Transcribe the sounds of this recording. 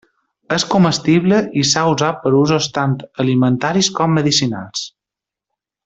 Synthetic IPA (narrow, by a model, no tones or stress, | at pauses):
əskuməst̪iβləʔisauzapəɾuzost̪ant̪əlimənt̪aɾiskɔmːəðisina̰lˠs